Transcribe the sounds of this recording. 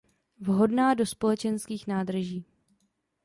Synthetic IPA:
vɦo̞dnaːdo̞spo̞lɛt͡ʃɛnskiːxnaːd̪rʒiː

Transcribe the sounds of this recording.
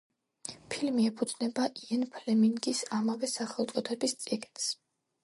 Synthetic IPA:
pʰilmiɛpʰud̪znɛbaʔiɛnpʰlɛmiŋɡisamavɛsaχɛlˠt̪sʼɔt̪ʰɛbist̪sʼiɡns

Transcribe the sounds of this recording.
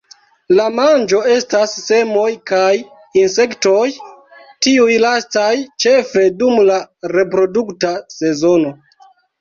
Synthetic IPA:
lamand͡ʒo̞e̞stasːe̞mo̞jkaj | inse̞kto̞j | tiujlastajt͡ʃe̞fe̞dumlaɾe̞pɾo̞duktase̞zo̞no̞

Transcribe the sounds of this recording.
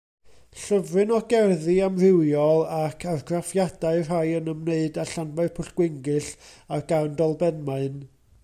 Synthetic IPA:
ɬəvrɨnɔɡɛrðɨamr̥ɪwjɔlˠakʰarɡrafjadaɨr̥ajənəmneɨdaɬanbaɨrpʰʊɬɡ̥wɪŋɡɨɬarɡ̥awndɔlˠbɛnmaɨn

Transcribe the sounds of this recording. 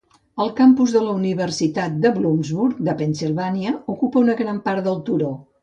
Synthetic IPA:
əlˠkampuzðələuniβ̞ərsit̪at̪̚d̪əβlumzβuɾk̚d̪əpənsilˠβaniəukupəunəɣɾampaɾt̪d̪əlˠt̪uɾo

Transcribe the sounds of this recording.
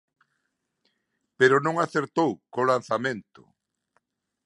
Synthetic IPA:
peɾʊnõŋaθeɾt̪owkolanθamẽnt̪ʊ̰

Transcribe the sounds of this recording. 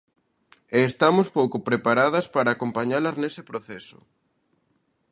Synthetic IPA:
eːst̪amʊspowkʊpɾepaɾaðɐspaɾaːkompaɲalɐznesepɾoθɛsʊ̥̰

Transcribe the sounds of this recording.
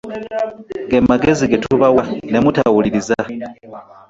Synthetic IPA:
ɡemaɡe̞ziɡetuβawane̞mutawuliɾiza

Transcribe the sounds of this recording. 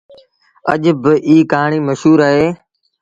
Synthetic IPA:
ə̰ʄbɪʔiːkaːɳ̃iːməʃɦuːɾaːɦeː

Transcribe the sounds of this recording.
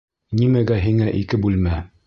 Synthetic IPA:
nimæɡæɦiŋæʔikɘbʉlmæ

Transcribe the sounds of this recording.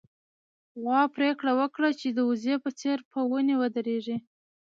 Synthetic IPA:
ɣwɑpɾekɽawəkɽat͡ʃed̪əuzepət͡seɾpəwunewəd̪əɾeʐi

